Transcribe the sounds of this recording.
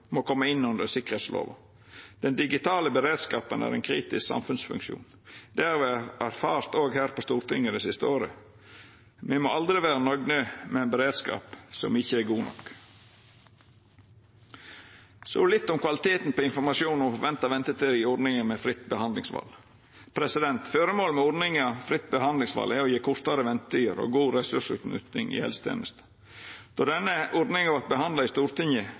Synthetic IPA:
mokʰɔmːəɪnːʉnd̪əɾsɪkːəʁheːt̪slo̰ːʋɑ̰ | d̪̥ɛnd̪ɪɡɪt̪ʰɑːləbəɾeːd̪skɑːpənæ̰ːɾɛ̰ːnkʰɾiːt̪ɪsksɑ̰mfʉnsfʉ̰ŋkʃṵːn | d̪̥æɾʋɛæɾfɑːɾt̪oːɡhæːɾpʰɔst̪uːɾt̪ɪŋəd̪ɛsɪst̪əoːɾə̰ | mɛmoɑld̪ɾɪʋæːɾənɔɡnøːmɛænbəɾeːd̪skɑ̰ːpsɔ̰mɪçəæɾɡuːnɔ̰k | sɔ̰lɪt̪ːɔmkʰʋɑlɪt̪ʰeːt̪n̩pʰoɪnfɔɾmɑʃjuːnɔfɔɾʋɛnt̪ɑʋɛnt̪ət̪ʰɪɾɪɔɾɖnɪŋəmɛfɾɪt̪ːbəhɑnd̪lɪŋsʋɑ̰l | pʰɾɛsɪd̪ɛnt̪føːɾəmoːlmɛɔɖnɪŋɑʋfɾɪt̪ːbəhɑnd̪lɪŋsʋɑ̰ːlæɔjeːkʰʊɾt̪ɑɾəʋɛnt̪yəɾo̰ːɡuːɾɛsʉʂʉ̰ːt̪nʉ̰t̪ɪ̰ŋɪ̰hɛ̰lst̪ʰḛːnəst̪ | d̪̥ɔd̪ɛnːəʔɔɾɖnɪŋɑʋɑt̪̚bəhɑnd̪lɑɪst̪uːɾt̪ʰɪŋjə

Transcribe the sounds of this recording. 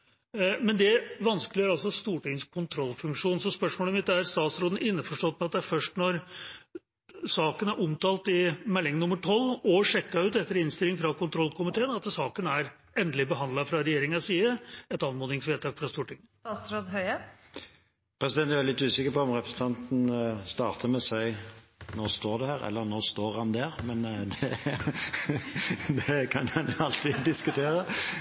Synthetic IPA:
mɛnd̪ɛʋɑnskəlɪæɾɑlsɔst̪uːʈɪŋskʰʊnt̪ʰɾɔlfʉŋkʂuːnsɔspœʂmoːləmɪt̪ːæɾst̪ɑːt̪sɾoːd̪n̩ʔɪnːəfɔʂʈɔt̪ːmɛɑt̪̚d̪ɛæɾfœʂʈnɔɾ | sɑːkənæɾʔʊmt̪ɑːlt̪ɪmɛlːɪŋnʊməʈʰɔlːɔʂɛkːɑʉːt̪ɛt̪ːəɾɪnst̪ɪlɪŋfɾɑkʊnt̪ʰɾɔlkʊmɪt̪ʰeːənɑt̪sɑːkənæɾ | ɛnd̪əlɪbəɦɑnd̪lɑfɾɑɾɛjeːɾɪŋɑsiːəɛt̪ɑnmoːd̪ɪŋsʋeːt̪ɑːkfɾɑst̪uːʈɪŋːət̪ɑsɾoːd̪ɦœʏə | pʰɾɛsɪd̪ɛnt̪æɾɛlɪt̪ːʉːsɪkːəɾpɔɔmɾɛpʰɾəsət̪ʰɑnt̪n̩st̪ɑːʁt̪ʰəmɛsæɪnɔːst̪oːɾd̪ɛhæːɾɛ̰lːəɾnoːst̪oːʁhɑnd̪æɾmɛnd̪ɛ | d̪ɛkʰɑnɑnjʊɑlt̪ʰid̪ɪskʉt̪ʰeːɾə

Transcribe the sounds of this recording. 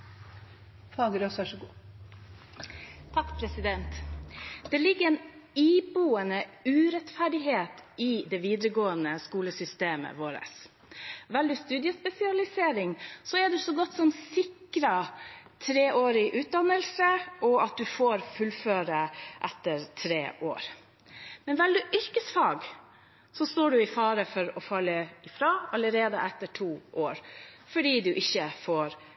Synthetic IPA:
fɑːɡəɾosʋæʂɔɡuː | t̪ʰɑkːpʰɾɛsɪd̪ɛnt̪ | d̪̥ɛlɪɡːəɛn | iːbuːənəʉːɾɛt̪fæɖɪɦeːt̪ɪd̪ɛʋiːd̪ɾəɡoːənəskuːləsʏst̪eːmə̰ʋoːɾə̰s | ʋɛld̪ɪst̪ʉːd̪jəspɛsɪɑlɪseːɾɪŋsɔæɖʉsɔɡɔt̪ːsɔmsɪkɾɑt̪ʰɾeːʔoːɾɪʔʉːt̪̚d̪ɑnːəlsəʔɔɑt̪̚d̪ʉfoːɾfʉlføːɾəʔɛt̪ːəɾt̪ʰɾḛːʔo̰ːɾ | mɛnʋɛld̪ʉʔʏɾkəsfɑːɡ | sɔst̪oːɖʉɪfɑːɾəfɔɾɔfɑlːəɪfɾɑːɑləɾeːd̪ə̰ʔɛt̪ːəʈʰuːʔoːɾfɔɖiːd̪ʉʔɪçːəfoːɾ

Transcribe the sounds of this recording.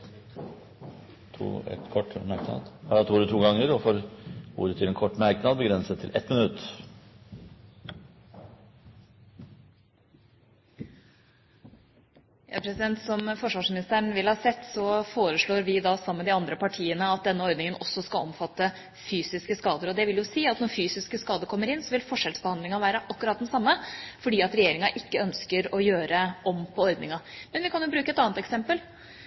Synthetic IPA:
t̪ʰṵːɛ̰t̪kʰɔʈːmæɾknɑ̰d̪hɑːɾɑt̪ʰuːɾət̪ʰuːɡɑŋːəɾɔfoːɾṵːɾət̪ʰɪlɛnkʰɔʈːmæɾknɑd̪bəɡɾɛnsət̪ʰːɪ̰lʔɛt̪mɪnʉt̪ː | jɑ̰pʰɾɛsɪd̪ɛnt̪sɔmfɔʂʋɑːʂmɪnɪst̪əɳʋɪlhɑːsɛt̪ːsɔfoːɾəʂɭoːɾʋɪd̪ɑːsɑmːəd̪ɪɑnd̪ɾəpɑʈʰiːənəɑt̪̚d̪ɛnːəɔɾd̪nɪŋənɔsːɔskɑlɔ̰mfɑt̪ːə | fyːsɪskəskɑːd̪əɾɔd̪ɛʋɪljʊsiːɑt̪nɔɾfyːsɪskəskɑːd̪əɾkʰɔmːəɾɪnsɔʋɪlfɔʂɛlsbəhɑnd̪lɪŋɑʋæːɾəʔɑkːʉɾɑt̪̚d̪ɛnsɑmːəfɔɖiːɑt̪ɾɛjeːɾɪŋɑʔɪkːəœnskəɾɔjøːɾəʔɔmpʰɔɔɾd̪nɪŋɑmɛnʋɪkʰɑnjʊbɾʉːkəɛt̪ɑːnət̪ɛksɛmpəl

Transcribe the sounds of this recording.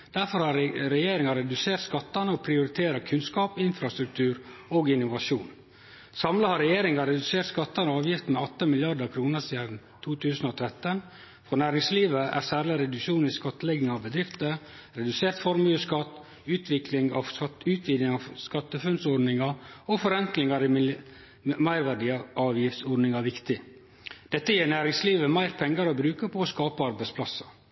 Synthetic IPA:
d̪̥æɾfɔɾhɑɾɾɛjeːɾɪŋɑɾɛd̪ʉseːɾt̪skɑt̪ːɑnəɔpʰɾɪʊɾɪt̪ʰeːɾɑkʰʉnskɑːpɪnfɾɑst̪ɾʉk̚t̪ʰʉːɾoːɡɪnʊʋɑʂuːn | sɑmləhɑɾɛjeːɾɪŋɑɾɛd̪ʉseːɾt̪skɑt̪ːɑnəɑːʋjɪft̪mɛɔt̪ːəmɪljɑd̪əɾkʰɾuːnəɾsiːd̪n | t̪ʰuːt̪ʰʉːsn̩oːt̪ʰɾɛt̪ːən | fɾɔːnæːɾɪŋsliːʋəʔæ̰ɾsæːɾlɪɾɛd̪ʉkʃuːniskɑt̪ːəlɛɡnɪŋɑʋbəd̪ɾɪft̪əɾ | ɾɛd̪ʉseːɾt̪fɔɾmjʉːskɑt̪ː | ʉːt̪ʰʋɪklɪŋɑ̰ʉːt̪ʰʋiːd̪nɪŋɑʋskɑt̪ːəfʉnd̪sɔɖnɪŋɑofɔɾɛŋklɪŋɑɾɪ | mæɪɾʋæɖɪʔɑːʋjɪft̪sɔɖnɪŋɑʋɪkt̪ɪ | d̪̥ɛt̪ːəjeːnæːɾɪŋsliːʋəmæɪɾpʰɛŋɡəɾɔbɾʉːkəpʰɔoːskɑːpəɑɾbæɪtspʰlɑsə

